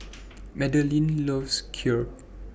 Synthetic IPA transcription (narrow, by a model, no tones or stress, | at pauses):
mɛdəlĩnlɔvskʰjɔ